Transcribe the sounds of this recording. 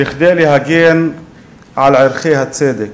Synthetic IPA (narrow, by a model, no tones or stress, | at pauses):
ɪxd̪eːlihaɡiːn | ʕalʕɪɾxiːhat̪ːeːd̪ɪ